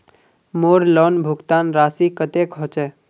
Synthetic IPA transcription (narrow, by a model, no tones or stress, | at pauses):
moːɾlɔnbʱʊɡt̪aːnɾaːsikət̪ekʰɔt͡ʃe